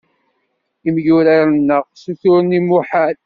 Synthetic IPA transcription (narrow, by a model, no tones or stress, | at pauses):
imjʊɾaɾnːəʁsuθʊɾnimuħaɾ